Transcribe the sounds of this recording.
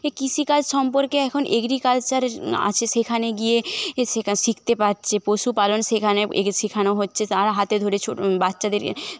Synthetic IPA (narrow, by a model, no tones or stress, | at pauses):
ekisikalʃɔmpoɾkeɛkʰonʔeɡɾikalt͡ɕaɾa̰t͡ɕʰeʃekʰaneɡieʃeʃikʰt̪epaɾt͡ɕʰepoʃupalonʃekʰaneḛʃikʰanoɦotːɕʰet̪aɾaɦat̪ed̪ʱoɾet͡ɕʰobatːɕad̪eɾ̰